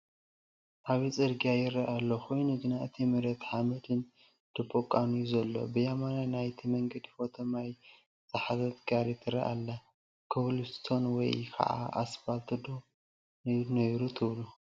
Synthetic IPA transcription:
ʔaβit͡sʼɨɾɡiajɪrɐʔalːokʰo̞jnuɡɨnaɨt̪ʰimɨɾɐt̪ħamɐd̪ɨn | d̪̥ɨbʰokʼːanujuzɐlːo̞̰bɨjamananajt̪ʰimɐŋɡɐd̪ifo̞t̪ʰɐmaj | z̥ɨħazɐt̪ɡaɾit̪ʰɨɾɐ̰ʔa̰lːa | kʰɨβlust̪ʰo̞nwɔ̰jkʰɐ̰ʕa̰ʔa̰sbalt̪ʰɨd̪o | nɐjɾut̪ʰɨβlu

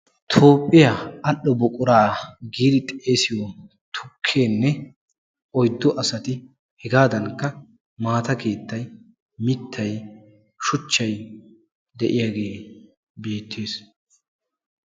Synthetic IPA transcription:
t̪ʰo̞ːpʼːɪjaɐɗːɔbɔkʼʊɾaːɡiːd̪ɪt̪ʼe̞ːsɪjɔ | t̪ʰʊkʰːe̞ːnːɛ | ʔɔjd̪ːɔʔɐsɐt̪ɪ | hɛɡaːd̪ɐnkːɐ | maːt̪ɐke̞ːt̪ːɐj | mɪt̪ːɐj | ʃʊt͡ʃːɐj | d̪ɛʔɪjaːɡe̞ː | be̞ːt̪ːe̞ːs

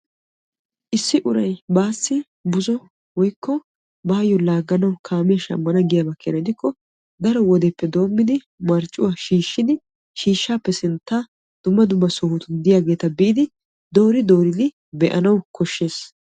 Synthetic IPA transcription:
ʔɪsːɪʔʊɾɐjbaːsːɪ | bʊzɔ | wɔjkːɔ | baːjːɔlaːɡːɐnɐwkʰaːmɪjɐʃɐ̰mːɐnɐɡɪjɐbɐkːenɐd̪ɪkːɔ | d̪ɐɾɔwɔd̪ɛpːɛd̪o̞ːmːɪd̪ɪ | mɐɾt͡ʃʼːʊwaːʃiːʃːɪd̪ɪ | ʃiːʃːaːpːɛsɪnt̪ːaː | d̪̥ʊmːɐd̪ʊmːɐsɔhʊt̪ʊnd̪ɪjaːɡe̞ːt̪ɐbɪʔɪd̪ɪ | d̪o̞ːɾɪd̪oːɾɪd̪ɪ | bɛʔɐnɐwkʰɔʃːe̞ːs

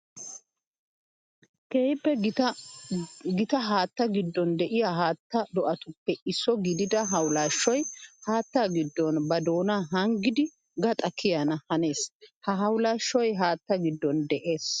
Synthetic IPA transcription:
keːjɪpːɛ | ɡɪt̪ɐɦaːt̪ːɐɡɪd̪ːɔnd̪ɛʔɪjaɦaːt̪ːɐd̪ɔʔɐt̪ʊpːɛɪsːɔɡɪd̪ɪd̪ɐɦɐwlaːʃːɔjhaːt̪ːaɡɪd̪ːɔnbɐd̪o̞ːnaːɦɐŋɡɪd̪ɪ | ɡɐt̪ʼɐkʰːɪjanɐhɐne̞ːshɐɦɐwlaːʃːɔjɦaːt̪ːɐɡɪd̪ːɔnd̪ɛʔe̞ːs

